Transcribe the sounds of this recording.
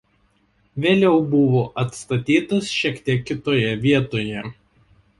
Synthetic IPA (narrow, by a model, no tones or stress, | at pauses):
ʋʲeːlʲɛʊbʊʋoːʔɐt̪st̪ɐt̪ʲiːt̪ɐsʃʲiɛkt̪ʲiɛkːʲɪt̪oːjɛʋʲiɛt̪oːjɛ